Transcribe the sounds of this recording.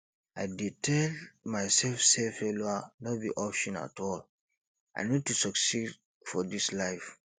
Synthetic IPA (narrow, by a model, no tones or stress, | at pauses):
ajditʰɛlmajsɛlfsɛfɛloanɔt̚biʔɔpʃɔ̃na̰tʰɔl | a̰ɪnid̚tusɔksid | fɔdislaɪf